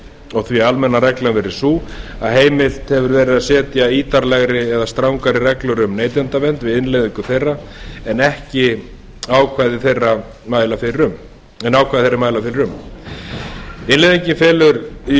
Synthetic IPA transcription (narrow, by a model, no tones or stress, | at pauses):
ɔɣθvialmɛnːaɾɛklanvɛɾɪɾ̥suːa̰ðɦeːjmɪl̥t̪hɛvʏɾvɛːɾɪðaðsɛːt̪jaiːt̪aɾlɛɣɾɪɛðast̪ɾawŋkaɾɪrɛklʏɾʏmneːjt̪ɛnt̪avɛnt̪vɪðɪnlejðiŋkʏθejrːaɛnɛhcɪ | aːwkʰvajðɪθejrːa | maːjlafɪɾɪɾʏm | ɛnːawkʰajðɪθejɾɪmaːjlafɪɾɪɾʏm | ɪnlejðiɲcɪnfɛːlʏɾi